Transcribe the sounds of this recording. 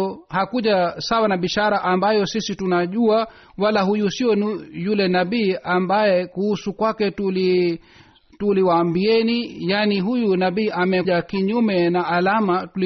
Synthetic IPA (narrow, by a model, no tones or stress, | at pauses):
ɔhakuʄasawanaɓiʃaɾaʔambajɔsisitunaʄua | walaɦujusiɔnujulɛnaɓiːʔambajɛkuhusukwakɛtuli | tuliwaːmbiɛnijaniɦujunaɓiːʔamɛʄakiɲumɛnaːlamatuli